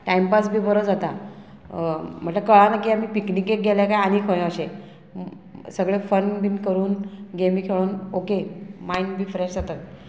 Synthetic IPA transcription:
ʈajmpasbʱiːbəɾəd͡zat̪a | m̤əʈləkəɭãnakiːam̤iːpiknikek̚ɡɛlakajañikʰəj̃əɕẽ | səɡɭefənbinkəɾuːnɡemiːkʰeɭoːnokemainbʱiːfɾeɕd͡zat̪ət̪̚

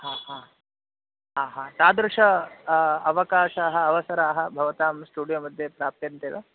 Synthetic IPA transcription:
haːɦãː | ɦaːɦãːt̪aːd̪ɾuʂɐ | ɐʋɐkaːʃaːɦɐːʋɐsɐɾaːɦɐ̆bʱɐʋɐt̪aːmsʈuːɽijoːmɐd̪ʱjepɾaːp̚t̪ɐɐnt̪eːʋɐ

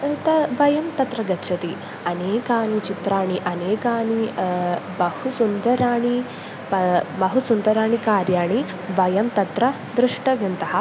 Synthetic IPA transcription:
t̪ɐʋɐjɐmt̪ɐt̪ɾɐɡɐtːʃʰɐt̪i | ɐneːkaːnit͡ʃit̪ɾaːɳiʔɐneːkaːni | bɐhusund̪ɐɾaːɳi | pɐbɐɦusund̪ɐɾaːɳikaːɾjaːɳi | ʋɐjɐmt̪ɐt̪ɾɐ | d̪ɾɪʂʈɐʋɐnt̪ɐɦɐ

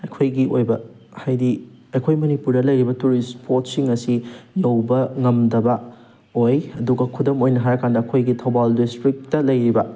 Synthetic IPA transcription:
ɐjkʰojɡiojbɐ | hajdiɐjkʰojmɐnipuɾdɐlɐjɾibɐtuɾispʰot̚siŋɐsijɐwbɐŋɐmdɐbɐ | ojɐduɡɐkʰudɐmojnɐɦaɾɐkandɐɐkʰojɡitʰɐwbaldistɾik̚tɐlɐjɾibɐ

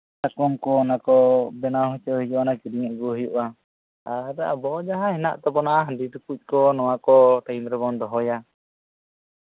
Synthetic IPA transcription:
takɔŋkɔnakɔbɛnaɦɔt͡ʃɔɦijɔʔanakiɖiŋɛʔɡɔɦjuʔa | aɾaa̰bɔd͡ʒaɦãhɛna̰ʔt̪ɔbɔnaʔaɦaɖiʈukuc̚ˀkɔnɔwakɔʈajmɾɛbɔnd̪ɔɦɔja

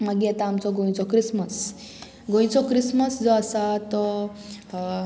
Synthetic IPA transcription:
maɡiat̪aːmt͡sɔɡõj̃t͡sɔkɾisməs | ɡõj̃t͡sɔkɾisməsd͡zɔasat̪ɔ

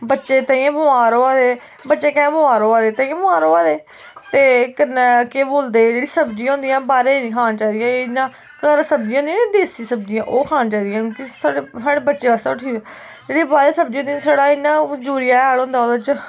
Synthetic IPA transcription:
bətːʃeːt̪ə̃ĩẽːbʊaːɾoːaːd̪eː | bətːʃẽːkɛ̃ːbəaːɾoːaːd̪eːt̪ə̃ãːbəaːɾoːaːd̪eː | t̪eːkənːkeːboːld̪eːd͡ʒeːɽiːsəbd͡ʒĩːãɦõːnd̪ijãːbaːɾeːnĩːkʰaːnːt͡ʃaːid̪ijãːɪnːãː | kəɾsəb̚d͡ʒĩjãõːnd̪ĩãːd̪eːsisəbd͡ʒɪjãːʔoːkʰaːnːt͡ʃaːid̪ijãːkõːkisaːɽeːsaːɽeːbətːʃeːaːst̪aːʊʈʰiː | d͡ʒeːɽiːbaːɾeːsəbd͡ʒĩːõːnd̪jãːsəɽaːɪnːãːd͡ʒuːɾɪjaːaːlõːnd̪aːoːd̪ət͡ʃ

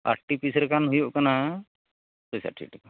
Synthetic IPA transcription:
a̰ɾʈipisɾɛkanɦujɔʔkana | tɔjsa̰ʈʰḭʈʰikɔ

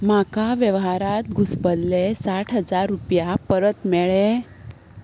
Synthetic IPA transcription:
makaʋjəʋɦaɾat̪̚ɡʱuspəlːesaʈʰɦəd͡zaɾːupjapəɾət̪mɛɭe

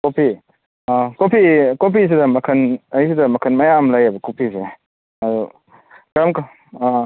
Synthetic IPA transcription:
kopʰi | kopʰikopʰis̬idɐmɐkʰɐnɐjsidɐmɐkʰɐnmɐjamlajɐbɐkopʰise | ɐɾu | kɾamk

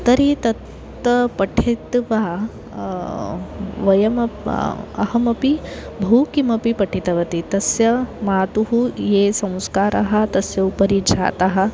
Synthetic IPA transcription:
t̪ɐɾit̪ɐt̪ː | ɐpɐʈʰit̪ʋaː | ʋɐjɐmɐ | ɐ̰hɐmɐpi | bʱɐːkimɐpipɐʈʰit̪ɐʋɐt̪it̪ɐsjɐmaːt̪uɦujeːsɐ̃w̃skaːɾaɦɐ̆t̪ɐsjɐupɐɾid͡ʒʱa̰ːt̪ɐɦɐ̆

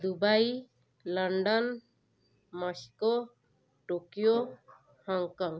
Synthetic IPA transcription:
d̪ubaj | laɳɖɔn | mɔskɔ | ʈokijo | hɔŋkɔŋ

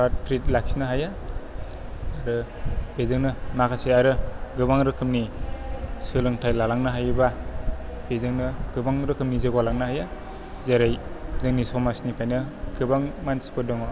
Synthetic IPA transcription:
papɾit̚laksnɯɦaja | aɾɯbezɯŋnɯmakʰaseaɾɯɡɯbaŋɾɯkʰɯmni | sɯlɯŋtʰajlalaŋnɯɦajba | b̥ezɯŋnɯɡ̥ɯbaŋɾɯkʰɯmnizɯɡwalaŋnaɦaja | zeɾajzɯŋnisɔmasnipʰajnɯɡɯbaŋmanspɯdɔŋ

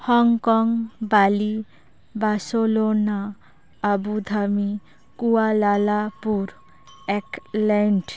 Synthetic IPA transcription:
hɔŋkɔŋbali | basolonaː | bud̪ʱami | kualalapuɾ | eklɛɳʈ

